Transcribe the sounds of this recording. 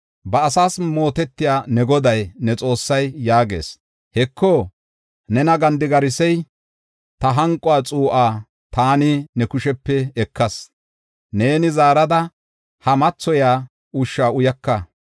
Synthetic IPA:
bɐːsaːsmo̞ːt̪ɛt̪ːɪjaːnɛɡɔd̪ɐjnɛt͡sʼo̞ːsːɐjːaːɡe̞̰ːs | hɛkʰːoː | nɛnɐɡɐnd̪ɪɡɐɾɪsɛj | t̪ɐɦɐŋkʼːɔaːt͡sʼuːʔaː | t̪aːnɪnɛkʊʃɛpːɛɛkːɐs | ne̞ːnɪzaːɾɐd̪ɐ | hɐmɐt͡sːɔjaː | ʊʃːaːʊjɐkːɐ

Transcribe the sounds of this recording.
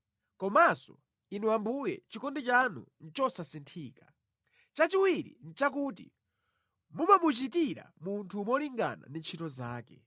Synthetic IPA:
kɔmasɔ̰ | inuambujɛ̰t͡ʃikɔndit͡ʃanṵn̩t͡ʃɔsasintʰiːka | t͡ʃat͡ʃiwiɾḭn̩t͡ʃak̬uːt̬ḭ | mumamut͡ʃitiɾa̰muntʰuːmɔliŋɡa̰na̰nint͡ʃʰitɔzaːkɛ̰

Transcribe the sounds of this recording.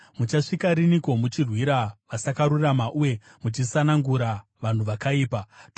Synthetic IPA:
mut͡ʃaʂikaɾiniko̞mut͡ʃirwiɾaʋasakaɾuramaʔuje̞ | mut͡ʃisanaŋɡuɾaʋan̤uʋakaiːpa

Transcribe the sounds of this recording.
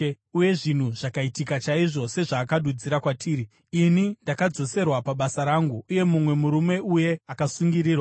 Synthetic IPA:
uje̞ʐin̤uʐ̥akaitikat͡ʃaiʐo̞se̞ʐaːkaɗud͡ziɾakwatʰiːɾi | inindakad͡zo̞se̞rwapaɓasaɾaːŋɡuːje̞mumwe̞muɾume̞uje̞akasuŋɡiɾiːrwa

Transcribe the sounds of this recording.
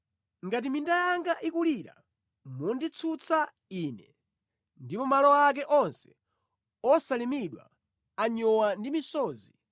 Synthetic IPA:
ŋɡat̬imindajaŋɡaʔikuliɾa̰ | mundit͡sʰut͡sʰa | iːnɛ | ndipɔmalɔak̬ɛʔɔnsɛ̥ | ɔsalimiɗwa̰ | aɲɔwandimisɔːzi

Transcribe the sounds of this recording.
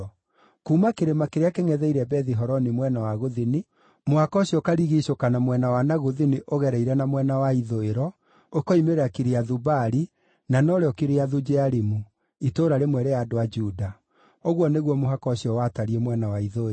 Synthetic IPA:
kuːmakeɾemakeɾeakeŋɛðɛiɾɛbɛðiɦɔɾɔnimwɛnawaɣoðini | mohakɔɕiɔkaɾiɣiʃokanamwɛnawanaɣoðiniʔoɣɛɾɛiɾɛnamwɛnawaiðoeɾɔ | okɔimeɾakiɾeaðubaɾi | nanɔɾeɔkiɾeaðud͡ʒɛaɾimu | itoːɾaɾemwɛɾejadoad͡ʒuda | oɣwɔneɣwɔmoɦakɔɕɔwataɾiɛmwɛnawaiðo

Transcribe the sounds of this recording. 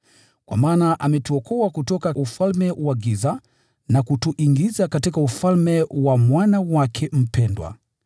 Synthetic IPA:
kwa̰maːnaʔamɛtuɔkʰɔwakutɔkaʔufalmɛwaɡiza | nakutuʔiŋɡizakatikaufalmɛwamwanawakʰɛm̩pɛndwa̰

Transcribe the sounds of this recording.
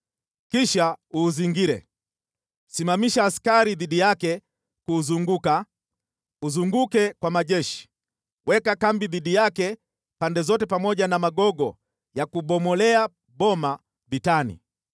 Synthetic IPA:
kiʃauːziŋɡiɾɛ̰ | simamiʃaːskaɾiðiɗijakɛ | kuzuŋɡuka | uzuŋɡukɛkwamaʄɛʃi̥ | wʔɛkakambiðiɗijakɛ | pandɛzɔtɛpamɔʄanamaɡɔɡɔ | jakuɓɔmɔlɛa | ɓɔma | vitanḭ

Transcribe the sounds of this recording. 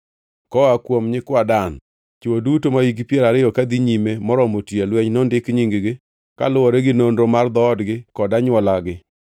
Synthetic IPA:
kɔakwomɲɪkwadan | t͡ʃodutomaiɡipjeɾaɾɪjɔkad̪iɲimemɔɾɔmotjelwɛɲnɔndɪkɲiŋɡɡɪ | ka̰lʊwɔɾɛɡɪnondɾomard̪ɔːdɡɪkɔdaɲwɔlaɡɪ

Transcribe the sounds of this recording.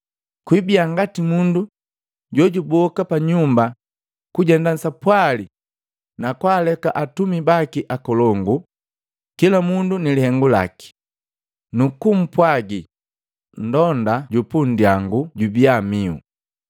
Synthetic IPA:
kwibiaŋɡatimundu | ɟɔɟubɔkapaɲumba | kuɟɛndan̩sapwali | nakwaːlɛkaʔatumibakiʔakɔlɔŋɡu | kilamundunilihɛŋɡula̰ki̥ | nukum̩pwaɡi | n̩dɔndaɟupundiaŋɡuɟubiamiṵ

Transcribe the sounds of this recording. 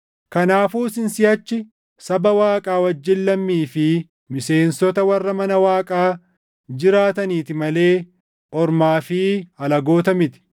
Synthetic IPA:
kɐnaːfuːsɪnsɪjɐt͡ʃːɪ | sɐbɐwaːkʼaːwɐd͡ʒːɪnlɐmːiːfɪ | mɪse̞ːnsɔt̪ɐwɐrːɐmɐnɐwaːkʼaː | d͡ʒɪɾaːt̪ɐniːt̪ɪmɐle̞ː | ʔɔɾmaːfiːhɐlɐɡo̞ːt̪ɐmɪt̪ɪ̥

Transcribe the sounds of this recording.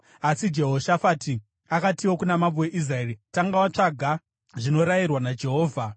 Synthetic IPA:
asid͡ʒe̞ɦo̞ʃafati | akatiwo̞kunamambowe̞ʔis̬raeːɾitaŋɡawat͡ʂaɡʱa | ʐino̞ɾajirwanad͡ʒe̞ɦo̞ːvʱa

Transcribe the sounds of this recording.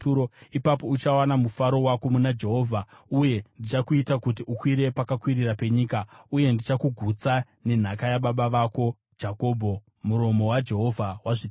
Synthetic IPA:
oipapo̞ut͡ʃawanamufaɾo̞wako̞munad͡ʒe̞ɦo̞ːvʱauje̞ndit͡ʃakuitakut̬iʔukwiɾe̞pakakwirirape̞ɲiːkauje̞ndit͡ʃakuɡʱut͡sa | ne̞n̤akajaɓaɓaʋako̞ | d͡ʒako̞ːbʱo̞ | muɾo̞mo̞wad͡ʒe̞ɦo̞vʱawaʐi

